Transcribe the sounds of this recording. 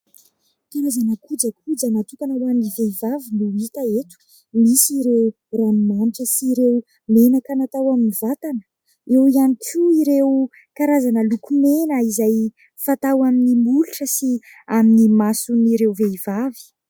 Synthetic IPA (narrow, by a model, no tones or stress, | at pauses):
kaɾazanəkud͡ʒəkʰud͡zənat̪uk̪anawaminiveivaviniit̪əet̪u̥ | misiɾew | ranumaniʈ͡ʂəsiɾew | menakənat̪awaminivat̪anə̥ | ewianikʲʰuiɾew | kaɾazanəlukumenəizaj | fat̪awaminimuluʈ͡ʂəsi | aminimasuniɾewveivavi̥